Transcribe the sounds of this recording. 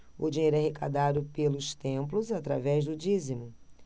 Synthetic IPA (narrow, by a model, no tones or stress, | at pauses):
ʊd͡ʒiɲejɾʊɛhekad̪ad̪ʊpelʊst̪ẽplʊzat̪ɾa̰vɛzd̪ʊd͡ʒizimʊ